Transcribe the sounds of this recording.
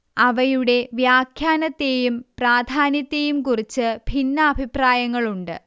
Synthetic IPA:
ɐʋɐjuɽe̞ʋjaːkʰjaːnɐt̪ːe̞jumpraːd̪ʱaːnjɐt̪ːejumkurit͡ɕːɨbʱinːɐːbʱipraːjɐŋːɐɭuɳɖɨ̰

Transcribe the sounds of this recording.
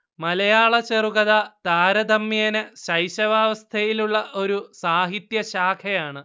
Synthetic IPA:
mɐlɐjaːɭɐt͡ɕeruɣɐðɐt̪aːɾɐd̪ʱɐmːijɐnɨɕɐjɕɐʋaːʋɐst̪ʰɐjiluɭːɐʔo̞ɾusaːɦit̪jɐɕaːkʰɐjaːɳɨ

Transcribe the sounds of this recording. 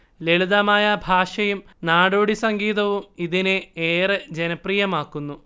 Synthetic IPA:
leɭuðɐmaːjɐbʱaːʂɐjumnaːɽoːɽisɐŋɡiːðɐʋumiðineeːrɨd͡ʑenɐprijɐmaːkːunːu

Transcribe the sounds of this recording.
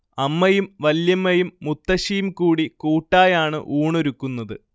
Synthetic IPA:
ɐmːɐjumʋɐljɐmːɐjumːut̪ːɐɕijumkuːɽikuːʈːaːjaːɳɨ̰ʔuːɳoɾukːunːɐðɨ

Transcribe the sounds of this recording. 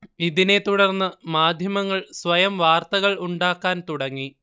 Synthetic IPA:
iðine̞t̪uɽɐrnːɨmaːd̪ʱjɐmɐŋːɐɭsʋɐjɐmʋaːrt̪ɐɣɐɭuɳɖaːkːaːnt̪uɽɐŋːi

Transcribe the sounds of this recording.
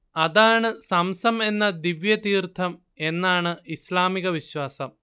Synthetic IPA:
ɐðaːɳɨsɐmsɐme̞nːɐd̪iʋjɐt̪iːrt̪ʰːɐm | e̞nːaːɳɨʔislaːmiɣɐʋiɕwaːsɐm

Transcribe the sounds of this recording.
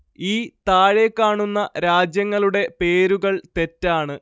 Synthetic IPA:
iːt̪aːɻe̞kːaːɳunːɐɾaːd͡ʑjɐŋːɐɭuɽe̞pe̞ːɾuɣɐɭt̪e̞tːaːɳɨ

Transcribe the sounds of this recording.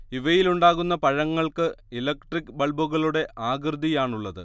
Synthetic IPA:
iʋɐjiluɳɖaːɣunːɐpɐɻɐŋːɐɭkɨilɐkʈrikːbɐɭbuɣɐɭuɽe̞ʔʔaːɡrɨd̪ʱijaːɳuɭːɐðɨ̰

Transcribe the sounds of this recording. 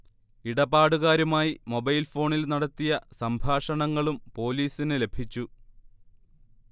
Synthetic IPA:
iɽɐbaːɽuɣaːɾɐmaːjimo̞bɐjlfo̞ːɳilnɐɽɐt̪ːijɐsɐmbʱaːʂɐɳɐŋːɐɭumpo̞ːliːsinɨle̞bʱit͡ɕːu

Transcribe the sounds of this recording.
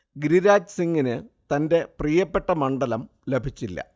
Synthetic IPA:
ɡɾiɾaːd͡ʑsiŋːinɨt̪ɐnde̞prijɐpːe̞ʈːɐmɐɳɖɐlɐm | le̞bʱit͡ɕːilːɐ̰

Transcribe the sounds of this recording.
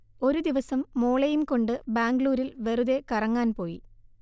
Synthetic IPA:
o̞ɾud̪iʋɐsɐmːoːɭɐjumko̞ɳɖɨbaːŋɡɭuːɾilʋe̞ruðe̞kɐrɐŋːaːnpo̞ːjḭ

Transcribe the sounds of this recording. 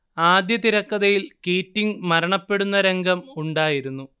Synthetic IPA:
aːd̪jɐt̪iɾɐkːɐðɐjilkiːtːiŋmɐɾɐɳɐpːe̞ɽunːɐɾe̞ŋɡʱɐmuɳɖaːjiɾunːu

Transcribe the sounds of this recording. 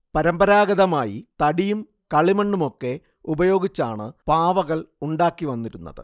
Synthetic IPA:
pɐɾɐmbɐɾaːɡɐðɐmaːjḭt̪ɐɽijum | kɐɭimɐɳɖumo̞kːe̞ | ubɐjo̞ːɡit͡ɕːa̰ːɳɨpaːʋɐɣɐɭuɳɖaːkːiʋɐnːiɾunːɐ̰ðɨ̰

